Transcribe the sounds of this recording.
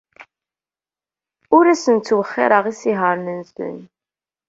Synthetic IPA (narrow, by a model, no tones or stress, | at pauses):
ʊɾæsənt͡sːwəχːɪ̰ɾˤəʁisiɦəɾˤnənsə̰n